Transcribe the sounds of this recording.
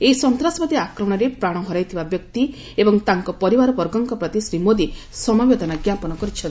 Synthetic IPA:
eisɔnt̪ɾasɔbɔd̪iakɾɔmɔɽ̃ɔɾepɾaɽ̃ɔɦɔɾajt̪ʰibabjɔk̚t̪i | ebɔŋt̪aŋkɔpɔɾibaɾɔbɔɾɡɔŋkɔpɾɔt̪isɾimod̪i | sɔmabed̪ʱɔnaɡjapɔnɔkɔɾit͡ʃʰɔn

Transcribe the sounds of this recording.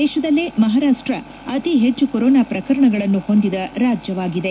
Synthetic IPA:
d̪ɛːʃɐd̪ɐlːimɐɦaːɾaːʂʈɾɐ | ɐt̪iɦet͡ʃːukoɾɔːnaːpɾɐkɐɾɐɳɐɡɐɭɐnːuho̞nd̪id̪ɐɾaːd͡ʒjɐʋaːɡid̪e̞

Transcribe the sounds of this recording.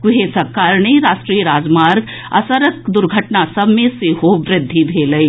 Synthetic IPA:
kʊɦesɐkːaːɾɳeɾaːʃʈɾiːɾaːd͡ʒmaːɾɡ | ɐ̰səɾəkd̪ʊɾɡʱəʈnasɐbmẽsehoːʋɾɪd̪ʱːid̪ʱeːlɐi

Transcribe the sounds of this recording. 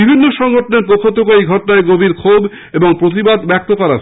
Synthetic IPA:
ibʱinːoʃɔŋɡʱoʈoneɾpɾokʰːot̪okoejɡʱɔʈonaeɡobʱiɾkʰob | eboŋpɾot̪̬ibad̪bɛk̚t̪okɔɾa̰

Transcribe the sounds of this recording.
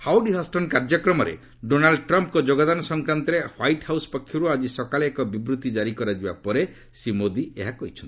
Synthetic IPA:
hawɖiɦasʈɔnkaɾd͡ʒɔkɾɔmɔɾḛ | ɖonalɖʈɾɔmpkɔd͡ʒoɡad̪anɔsɔŋkɾant̪ɔɾehwajʈhawsɔ̥pɔkʰːjɔɾuad͡ʒisɔkaleːkɔbibɾut̪id͡ʒaɾikɔɾad͡ʒiba̰pɔɾe | simod̪ieɦakɔɦit͡ʃʰɔnt̪i

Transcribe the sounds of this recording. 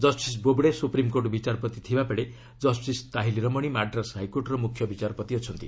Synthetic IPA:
d͡ʒɔsʈis̬bobɽesupɾimkoɾʈɔbit͡ʃaɾɔpɔt̪it̪ʰibapeɽe | d͡ʒɔsʈist̪aɦiliɾɔmɔɽ̃imaɖɾasɦajkoɾʈɾɔmukʰːjɔbit͡ʃaɾɔpɔt̪iɔt͡ʃʰɔnt̪i

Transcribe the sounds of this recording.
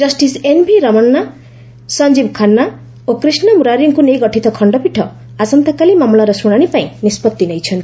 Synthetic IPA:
d͡zʌsʈisenbʱiɾʌmʌnːa | sʌnd͡zibkʰanːa | okrisnʌmuɾaɾiŋkonejɡʌʈʰit̪ʌkʰʌɳɖʌpiʈʰʌ | asʌnt̪akalimamlaɾʌsuɽ̃aɽ̃ipaĩnispʌt̪̚d̪inʌjt͡sʰʌnt̪i

